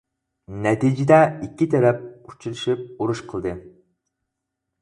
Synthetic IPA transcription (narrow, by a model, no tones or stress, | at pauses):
nɛt̪id͡ʒɪd̪ɛikʲːit̪ʰɛɾɛp̚u̥t͡ʃʰiɾɨʃip̚uɾuʃqʰəlˠd̪ɨ